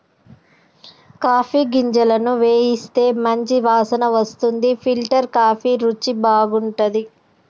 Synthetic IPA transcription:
kaːpʰiːɡiɲd͡ʒɐlɐnuʋe̞ːjist̪e̞ːmɐɲt͡ʃiʋaːsɐnɐʋɐst̪und̪ipʰilʈɐɾkaːpʰiɾut͡ʃːibaːɡuɳʈɐd̪i

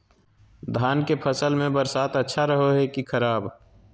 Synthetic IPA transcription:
d̪ʱaːnkepʰəsəlmẽbəɾsaːt̪ətːʃʰaɾəɦoɦɛkikʰɐɾaːb

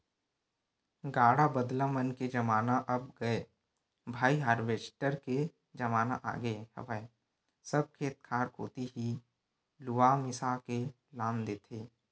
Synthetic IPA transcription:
ɡaːɽabəd̪lamənked͡ʒəmaːnaʔɐb̚ɡəe | bʱaːiɦaːɾʋeːsʈəɾke | d͡ʒəmaːna̰ʔa̰ːɡəehə̰ʋəe | səb̚kʰeːt̪̚kʰaːɾkoːt̪iɦi | lʊwamɪsake | laːmd̪eːt̪ʰeː

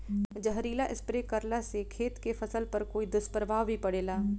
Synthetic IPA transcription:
d͡ʒəɦɾiːlaʔɪspɾeːkəɾlasekʰeːt̪kefʰɐsəlpɐɾkoːid̪ʊspəɾbʱaːʋɦipɐɽeːlaː

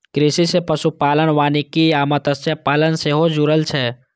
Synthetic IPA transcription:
kɾisisepɐʃupaːlənʋaːnikiaːmət̪əsjapaːlənseːɦod͡ʒuɾəlt͡ʃʰɛ

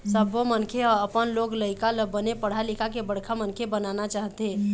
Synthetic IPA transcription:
səbʱomənkʰeɔəpənloɡləɪkaləbənepəɽ̤alikakebəɽ̤kʰamənkʰebənanat͡ʃaɦt̪e

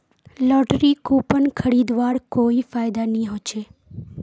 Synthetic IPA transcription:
lɔʈɾikopəɳkʰəɽid̪ʋaɽkoifajd̪anĩɦot͡ʃʰe

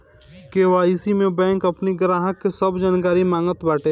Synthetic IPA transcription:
keːʋaːisimẽbɛ̃ːŋkɐpniɡɾaːɦəkːesəbd͡ʒaːnkaːɾimãːŋɡət̪baːʈeː

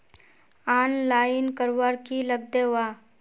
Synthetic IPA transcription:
aːnlaːɪnkəɾʋaɾkiləɡ̚d̪eʋaː

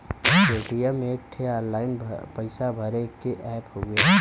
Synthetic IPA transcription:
eːʈijamẽk̚ʈʰeɔːnlaːɪnpəɪsabʱəɾekeʔɛːphoɡe

